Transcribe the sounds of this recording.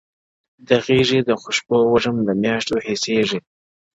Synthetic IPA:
d̪aɣiʐid̪əxʊʃbowaʐəmd̪əmjɑʂt̪ohiseʐi

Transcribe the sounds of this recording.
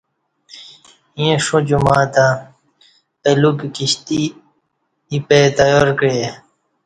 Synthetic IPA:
iẽʂũd͡ʑumaːt̪ã | pelukkiɕt̪i | ipet̪ɐjoːɾkɾe

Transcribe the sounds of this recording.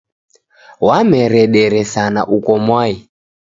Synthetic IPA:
wamɛɾɛɗɛɾɛsana̰ʔukɔmwai

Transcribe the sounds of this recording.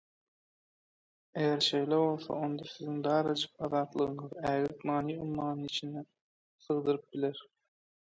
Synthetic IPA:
ejæɾʃe̞jleβo̞lˠsɑ̰o̞nd̪ɑsiziŋd̪ɑːɾɑd͡ʒɯq̚ɑðɑːt̪lˠɯɣɯɴɯðæːɣliknɑːniːumːɑːnɯnit͡ʃʰind̪ɛ | sɯʁd̪ɯɾɯp̚bileɾ

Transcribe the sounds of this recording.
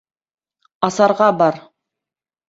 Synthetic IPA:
ɑsɑɾʁɑbɑɾ

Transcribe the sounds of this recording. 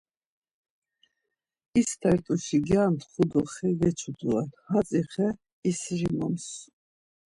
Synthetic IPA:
ist̪ʰɛɾt̪ʼuʃiɡjant̪χud̪ɔχɛɡɛt͡ʃʰud̪uɛlhat͡sʼiχɛ | isʒimɔms

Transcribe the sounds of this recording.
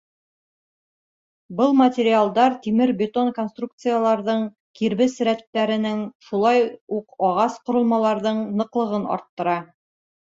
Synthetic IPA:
bɤlˠmɐtʲeɾʲɪalˠd̪ɑɾt̪imɘɾbʲɪt̪onko̞nst̪ruk̚t̪sɨjalˠɑɾðɤɴ | kiɾβɘsɘ̆ɾæt̪ːæɾɘ̆nɘŋʃulˠɑjuqɒʁɑsqŏɾɤ̆lˠmɑlˠɑɾðɤɴnɤ̆qlˠɤ̆ʁɤnɒ̰ɾt̪ːɤ̆ɾɑ

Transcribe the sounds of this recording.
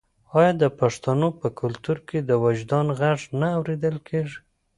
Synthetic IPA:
ɑjɑd̪əpaʂt̪anopəkʰʊlt̪uɾked̪əwad͡ʒd̪ɑnɣaʐnaːwɾed̪əlkʰeʐi̥

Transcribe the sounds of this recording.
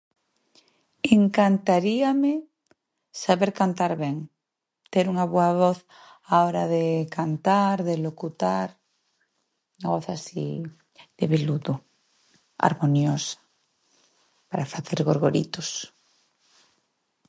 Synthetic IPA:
eŋkant̪aɾiame | saβeɾkant̪aɾβeŋ | t̪eɾuŋaβweaβoθ | aoɾaðekant̪aɾðelokut̪aɾ | uŋaβoθasḭ | ð̥eβeluðu | a̰ɾmonjosḁ | paɾafaθeɾɣoɾɣoɾḭt̪os

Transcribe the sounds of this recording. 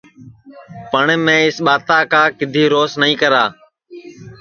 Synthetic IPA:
pəɳmẽːɪsɓaːt̪aːkaːkɪd̪ʱiːɾoːsnəĩːkəɾaː

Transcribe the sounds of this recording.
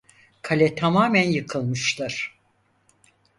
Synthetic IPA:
kʰalʲɛt̪ʰamaːmænjɯkʰɯlˠmɯʃlˠɯɾ̥

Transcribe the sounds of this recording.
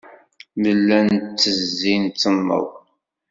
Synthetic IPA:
məlːænt͡sːəzːint͡s̪ːəmːə̰ðˤ

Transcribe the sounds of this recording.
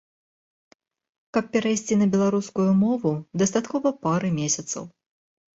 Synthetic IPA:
kɐp̚ːʲɛɾajsʲt͡sʲinɐbʲɛlˠaɾuskujumɔvud̪ɐst̪at̪kɔvɐpaɾɨmʲesʲɐt̪sɐ̰w

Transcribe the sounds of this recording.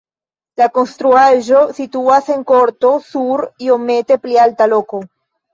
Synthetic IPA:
lakonst̪ɾuaʒosit̪uaseŋkoɾt̪osuɾiomet̪eplealt̪aloko

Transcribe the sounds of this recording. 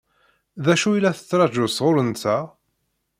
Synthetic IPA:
ðæʃuilːæθə̥t͡sːɾˤɑʒʊsʁʊɾənt͡sːæ

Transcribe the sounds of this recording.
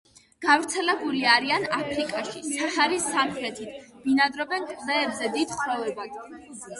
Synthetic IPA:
ɡ̥avɾt̪sʰɛlɛbuliaɾianapʰɾikʼaʃisʰaχaɾisːamχɾɛt̪ʰit̪ʰminad̪ɾɔbɛnkʼzɛːbzɛd̪id̪̥χɾɔvɛbad̪

